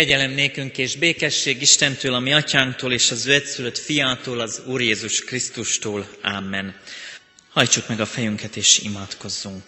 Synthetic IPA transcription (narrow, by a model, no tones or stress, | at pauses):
kɛɟɛlɛmneːkyŋkeːʒbeːkɛʃːeːɡiʃt̪ɛnt̪øːlɒmiɒcaːŋkt̪oːleːʃɒzøːɛt̪syløt̪fijaːt̪oːlɒzuːrjeːzuʃkrist̪uʃt̪oːlaːmːɛn | hɒjt͡ʃukmɛɡɒfɛjyŋkɛt̪eːʃḭmaːt̪ko̞zːuŋk